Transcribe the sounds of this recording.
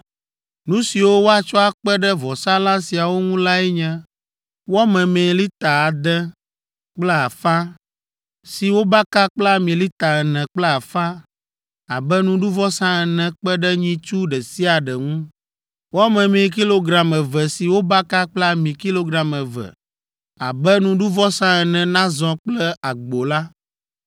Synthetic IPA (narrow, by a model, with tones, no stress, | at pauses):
nũ˦si˨wo˦wo˦a˨t͡ʃɔ˦a˨k͡pɛ˦ɖɛ˦vɔ˨sã˦lã˦si˨a˨wo˦ŋũ˦la˦ɛ˦ɲɛ̃˦ | wa˦mɛ̃˨mẽ˨˦li˦t̪a˨a˨d̪ɛ˦ | k͡plɛ˦a˨fa˦ | si˨wo˦ba˦ka˦k͡pla˦mĩ˨li˦t̪a˨ɛ˨nɛ̃˨k͡plɛ˦a˨fa˦ | a˨bɛ˦nũ˦ɖu˦vɔ˦sã˦ɛ˨nɛ̃˨k͡pɛ˦ɖɛ˦ɲĩ˦t͡ʃu˦ɖɛ˨si˦a˨ɖɛ˨ŋũ˦ | wɔ˦mɛ̃˨mĩ˨ki˦lo˦ɡɾa˨mɛ̃˨vɛ˨si˨wo˦ba˦ka˦k͡plɛ˦a˦mĩ˨ki˦lo˦ɡɾa˨mɛ̃˨vɛ̰˨ | a̰˨bɛ˦nũ˨ɖu˦vɔ˦sã˦ɛ˨nɛ̃˨nã˦zɔ̃˨k͡plɛ˦a˨ɡ͡bo˨la˦